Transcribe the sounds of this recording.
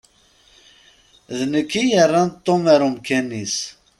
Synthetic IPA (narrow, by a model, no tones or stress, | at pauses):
ðnəkːijərˤːɑnt̪ˤːomæɾumkænːis